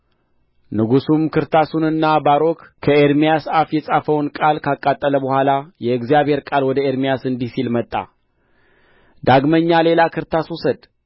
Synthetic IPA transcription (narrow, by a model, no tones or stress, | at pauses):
nɨɡusumkʰɨɾt̪ʰasunɨnːabaɾo̞kkʰəeɾmijasafjɛsʼafəwnkʼalkʰakʼːat̪ʼːələbəhʷalajɛɡzijaβhe̞ɾkʼalwɔd̪əe̞ɾmijasɨnd̪ihsilmət̪ʼːa̰ | d̪aɡməɲːale̞lakʰɨɾt̪ʰaswusəd̪